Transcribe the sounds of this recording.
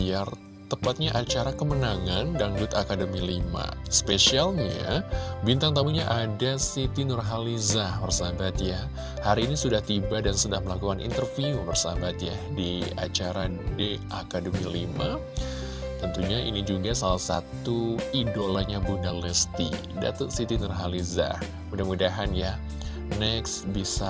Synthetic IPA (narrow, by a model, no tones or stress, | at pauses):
iar | t̪əpat̪̚ɲaʔat͡ʃaɾakəmənaŋandanɡʊt̪akadəmilima̰spesialɲa̰bint̪aŋt̪amuɲaʔadasit̪inɔrɦalizabərsabat̪ja | haɾiːnisudaht̪ibadansədahməlakukanʔḭnt̪ərfiubərsabat̪ja | dia̰t͡ʃaɾadiʔakadomialima | t̪ənt̪uɲaʔḭnid͡ʒuɡasalahsa̰t̪uidolaɲabunalɛst̪ḭ | da̰t̪ət̪sit̪inɔrɦaliza̰ | mudahmudaɦanja | nɛksbisa